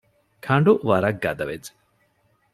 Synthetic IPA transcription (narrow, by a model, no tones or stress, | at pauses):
kʰɐɳɖuʔʋɐɾɐɡːɐd̪ɐʋet͡s